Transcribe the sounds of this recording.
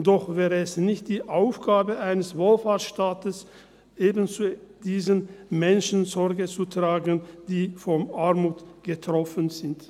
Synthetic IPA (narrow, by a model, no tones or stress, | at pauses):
d̥ɔχvɛːʁəɛsnɪçt̚d̥iːʔaʊfɡ̥aːbəʔaɪnəsvoːlfaɐtʃtaːtəs | ʔeːbənt͡su | diːzənmɛnʃn̩zɔʁɡət͡sutʁ̥aːɡənd̥iːfɔmʔaɐmuːtɡ̥ətʁ̥ɔfənzɪnt